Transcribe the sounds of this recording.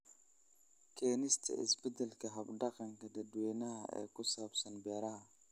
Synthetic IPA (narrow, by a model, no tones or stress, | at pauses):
kenistḛḭsbidəlkaɦabdakaŋkadaduwenaaḛkusabsanbeɾa